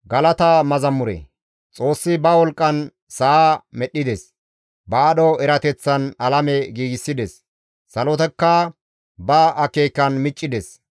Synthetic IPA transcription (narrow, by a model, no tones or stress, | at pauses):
ɡɐlɐt̪ɐmɐzɐmːʊɾḛ | t͡sʼo̞ːsːɪbɐwɔlkʼːɐn | sɐamɛɗːɪd̪ɛs | bɐːɗɔɛɾɐt̪ɛt͡sːɐnɐlɐmɛɡiːɡɪsːɪd̪ɛsː | ɐlɔt̪ɛkːɐ | bɐʔɐkeːkːɐnmɪt͡ʃʼːɪd̪ɛs